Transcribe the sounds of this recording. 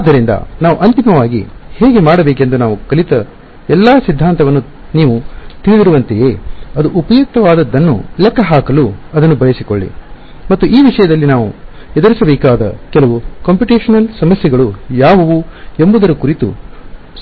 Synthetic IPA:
aːd̪ːɐɾind̪ɐ̰naːʋuʔɐnt̪imɐʋaːɡḭheːɡe̞maːɽɐbeːke̞nd̪unaːʋukɐlit̪ɐ | ɛlːaːsid̪ʱːaːnt̪ɐʋɐnːu | niːʋut̪iɭid̪iɾuʋɐnt̪ejeːɐd̪uʔupɐjuk̚t̪ɐʋaːd̪ɐd̪ːɐnːṵlɛkːɐɦaːkɐluɐd̪ɐnːubɐjɐsikoɭːḭ | mɐt̪ːuʔiːʋiʂɐjɐd̪ɐlːinaːʋu | ɛd̪ɐɾisɐbɛːkaːd̪ɐ̰kɛlɐʋukɐːmpuʈeːʂɐnɐlsɐmɐsjɛɡɐɭujaːʋɐʋuembɐud̪ɐɾɐkuɾit̪ṵ

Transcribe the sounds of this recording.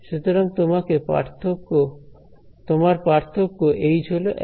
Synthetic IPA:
ʃut̪oɾoŋt̪omakepa̰ɾt̪ʰokːo | t̪omaɾpaɾt̪ʰokːoʔejd͡ʑʱoloʔ

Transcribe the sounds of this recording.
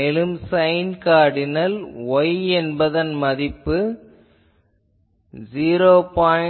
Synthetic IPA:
ɛlɯmsɐɪnkaːɽɪnɐlɔjɛnbɐðɐnmɐðɪpːɯ | ziːɾoːpaː

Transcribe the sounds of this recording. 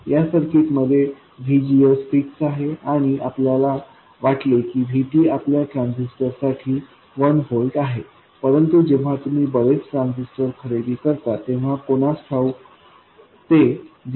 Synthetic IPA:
jasəɾkit̪məd̪ʱje | ʋʱid͡ʑiəsfiksaɦeaɽ̃iapljala | ʋaʈlekiːʋʱiʈiːapljaʈɾãnsisʈəɾsaʈʰiː | ʋənɦolɖaɦe | pəɾənt̪ud͡ʑeʋ̤at̪um̤iːbəɭet͡sʈɾãnsisʈəɾkʰəɾed̪iːkəɾt̪at̪eʋ̤akoɽ̃asʈʰau | t̪e

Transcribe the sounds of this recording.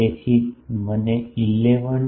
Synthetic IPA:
esiməneilːeʋəɳ

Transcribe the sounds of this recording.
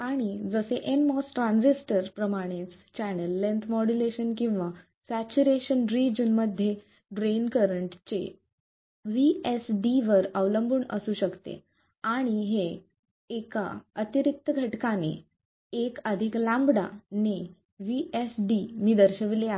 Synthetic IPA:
aɽ̃id͡zəseʔenmɔsʈɾãnd͡zisʈəɾpɾəmaɽ̃et͡st͡ɕænəlːẽnt̪ʰmɔɽuleɕənkĩw̃ʋa | sæt͡ɕuɾeɕənɾid͡ʑənməd̪ʱje | bɾenkəɾəɳʈt͡ɕḛ | ʋiesɖiʋəɾəʋləmbʱuːɳə̰suːɕəkt̪ḛ | aɽ̃iɦeː | ka̰ət̪iɾik̚t̪əɡʱəʈkanḛ | ekəd̪ʱiklãmbɽa̰ne | ʋiesɖimiːd̪əɾɕəʋilea

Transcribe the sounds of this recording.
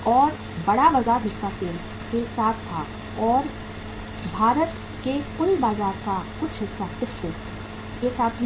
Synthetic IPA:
ɔːɾ | bɐɽaʋɐzaːb̪ɪsat̪e | kesaːt̪ʰt̪ʰːa | ɔːɾ | bʱaːɾət̪ | kekʊɾibaːzaːɾkakʊt͡ʃʰɪsat̪ɪfe | jesaːt̪̚ʰ

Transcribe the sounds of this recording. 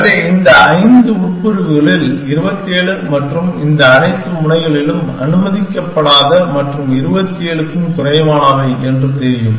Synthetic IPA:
ðeːɪnd̪ɐɐɪnd̪ɯʊʈ̚pɯɾɯɣɯɣɐɭɪlɪɾɯbɐt̪ːeːɭɯmɐʈrɯmɪnd̪ɐːnɐɪt̪ːɯmʊɳɐɪɣɐɭɪlɯmɐ̰nɯmɐðɪkːɐpːɐɽaːðɐmɐʈrɯmɪɾɯbɐt̪ːɪeːɭɯkːɯmt̪ʊrɐjmaːɳɐʋɐɪɛndrɯk̪eːɾjɯm

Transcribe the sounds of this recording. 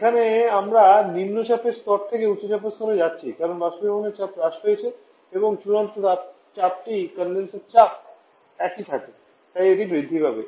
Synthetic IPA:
ekʰaneamɾanimnoʃapʰeɾst̪ɔɾt̪ʰekeuːoʃapest̪ɔɾed͡ʑatːɕʰikaɾonbaʃibɔkoneɾt͡ɕapɾaʃɦojet͡ɕʰe | eboŋt͡ɕulant̪od̪a | t͡ɕap̚ʈikənlenseɾt͡ɕap̚ | ɛkit̪ʰake | t̪ajeʈibɾid̪ʱːibʱabḛ

